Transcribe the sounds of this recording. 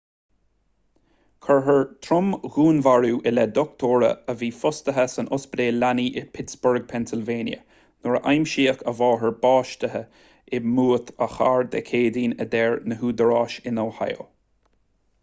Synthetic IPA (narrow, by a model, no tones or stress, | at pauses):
kʰəɹɦəɹt̪ʰɾʊmɣuːnvaɹuːʔɪlɛd̪ɔkt̪ʰoːɹə̰əviːfʊst̪əɦəsənʊsbəd̪eːlaniːʔɪpʰɪtsbʊɹɡ̚pʰɛnsɪlveːnjə̰ | nɔɹəʔajmʃiːəkʰəvɑːɦəɹbɑːʃtəɦə | ɪmuːt̪ʰəxa̰ːɹd̪ɛ̰kʰeːd̪iːnəd̪ɛːɹnəɦuːd̪əɹɑːʃɪnawha̰jo̰